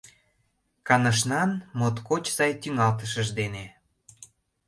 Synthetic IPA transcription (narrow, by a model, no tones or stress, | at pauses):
kɑnəʃ̬nɑnmot̪kot͡ɕsɑjt̪yŋɑlt̪əʃəʒd̪ene